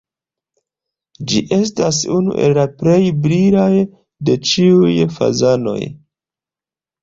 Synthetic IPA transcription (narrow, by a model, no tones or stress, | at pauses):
d͡ʒiʔe̞stasunṵʔe̞̰lːapɾe̞jbɾilaj | de̞t͡ʃiujfa̰zano̞̰j